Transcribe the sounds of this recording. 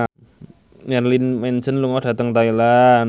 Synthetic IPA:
jarlinmɛnsənluŋɔd̥a̤t̪əŋt̪ailan

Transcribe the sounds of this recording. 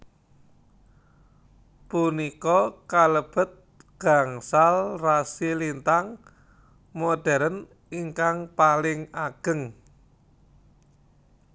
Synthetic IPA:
punikɔkaləb̥ə̤t̪̚ | ɡ̥a̤ŋsalrasilint̪aŋ | moɖ̥ɛ̤ɾən | iŋkaŋpalɪŋaɡ̥ə̤ŋ

